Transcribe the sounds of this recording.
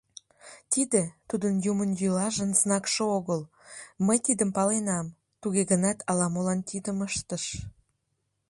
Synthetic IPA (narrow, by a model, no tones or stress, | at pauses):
t̪id̪ĕt̪ud̪ənjumənjylɑʒənsnɑkʃooɣəl | məjt̪id̪əmpɑlenɑm | t̪uɣeɣənɑt̪ɑlɑmolɑnt̪id̪əməʃt̪əʃ